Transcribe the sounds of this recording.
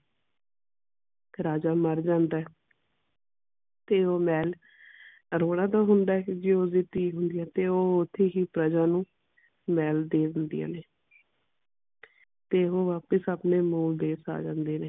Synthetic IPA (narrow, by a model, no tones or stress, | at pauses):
ɾaːd͡ʒaːməɾd͡ʒãːnd̪aːɛː | t̪eːoːmɛːl | ɾoːɽ̃ãːt̪aːɦʊnd̪aːɛːd͡ʒeːoːiːt̪iːɦʊnd̪ɪjãːt̪eːoːʊt̪ʰːeːɦiːpɾəd͡ʒaːnũː | mɛːld̪eːd̪ɪnd̪ḭːa̰ːneː | t̪eːoːʋaːpəsaːpneːmuːld̪eːsa̰ːd͡ʒã̰ːnd̪eːneː